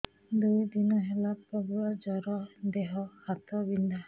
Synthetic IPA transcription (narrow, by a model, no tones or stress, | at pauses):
d̪ujd̪inɔɦelapɾɔbuad͡ʒɔɾɔd̪eɦɔhat̪ɔbind̪ʱa